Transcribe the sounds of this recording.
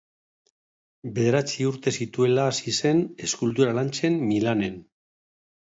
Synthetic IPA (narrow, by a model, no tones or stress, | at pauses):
be̞ð̞e̞ɾat͡siuɾt̪e̞sit̪ue̞laːsise̞ne̞skult̪uɾalant͡se̞mmilane̞n